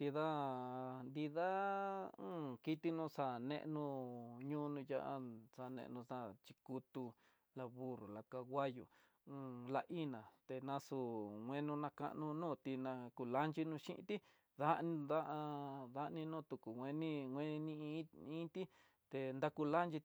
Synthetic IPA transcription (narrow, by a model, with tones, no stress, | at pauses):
d̪i˧ða˦nd̪i˧ðã˦ | ki˧t̪i˦nũː˦˧sa˧˨nḛ̃˧ʔnũ˧ɲũː˦˧nũ˧ja˦ʔa˧sa˧nḛ̃˧ʔnũ˧sã˦˨t͡ʃi˧ku˧t̪u˧ | la˧βu˦ɾu˨la˨ka˧wʷa˦jṵ̃˨˧ | la˧ʔi˦nã˨t̪e˧nã˧su˧ŋʷẽ˦nũ˧nã˧ka̰˦˧ʔnũ˧nũː˦˨t̪i˧nã˧ku˧la˦nt͡ʃi˧nũ˧ʃḭ˦ʔḭ̃˧t̪i˦ | ða˦nĩ˧d̪a˦ʔða˧ʔnĩ˧nũ˦˨t̪u˨ku˨wʷẽ˧nĩ˦ŋʷẽ˦˧nĩ˧ĩ˦ĩ˦t̪i˦ | t̪e˧nd̪a˦ku˧la˦nt͡ʃi˧